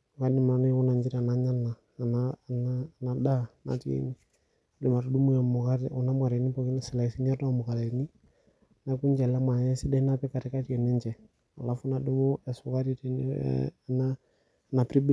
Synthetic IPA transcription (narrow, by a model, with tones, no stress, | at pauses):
ka˦nɪ˦m˨a˨nɔ˦wʊ˦na˨ɲd͡ʒɪ˦ɾa˨na˨˦ɲa˦na˨ | na˦˨na˦na˨da˦na̰˨˦ti˦ɛ̰˦ni˦ | a˨dɪ˨ma˨ɾu˨˦du˦mu˦ja˨mʊ˨ka˦ɾʊ˨na˦m˦a˨ɾɛ˨ni˦pɔ˨˦kɪ˦na˦sɪ˨la˨si˦ɲ˦ɛ˦dɔ˦˨mʊ˨ka˨lɛ˨ni˦˨ | na˨˦ku˦ɲd͡ʒɛ˨lɛ˦ma˨ɲɛ˦sɪ˦dɛ˦i˦na˦pɛ˦ka˨ɾɪ˨ka˦ti˦ɛ˨nɛ˦ɲd͡ʒɛ˨ | a˨la˨˦fʊ˦na˦dɪ˦mʊ˦ɛ˨sʊ˨ka˦ɾi˦t | na˦˨ | na˨pɾi˦b